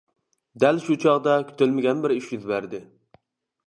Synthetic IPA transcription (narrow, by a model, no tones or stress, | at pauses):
d̪ælʃut͡ʃʰɑʁd̪ɑkʲʰy̥t̪ʰølmɪɡʲɛnbɪɾiʃjyzbæɾd̪ɪ